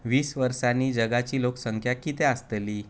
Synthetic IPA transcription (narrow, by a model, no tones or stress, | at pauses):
ʋiːsʋəɾsaniːd͡ʑəɡat͡ɕiːloksəŋkʰjakiːt̪ɛ̃əst̪əliː